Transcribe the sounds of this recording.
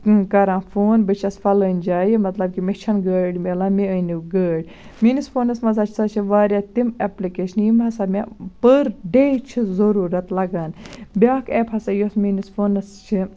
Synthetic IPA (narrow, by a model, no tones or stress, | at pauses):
kɐɾãːfʰoːnbɨt͡ʃʰɐsfɐləːnʲd͡ʒaːjimɐt̪lɐb̚kimet͡ʃʰɐnɡəːɖmelaːmiəniɡəːɖʲ | minisfʰoːnɐsmɐzaːt͡ʃʰsɐt͡ʃʰiʋaːɾʲjaːt̪imeplikeːʃɐnjimɦɐsamʲa̰pəɾɖeːt͡ʃʰizɐɾuːɾɐt̪lɐɡaːnbʲaːkeːpʰɐsajosminisfʰoːnɐst͡ʃʰi